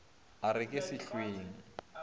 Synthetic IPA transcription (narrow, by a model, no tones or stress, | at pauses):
aɾɪkʼɪsɪɬweːŋ̩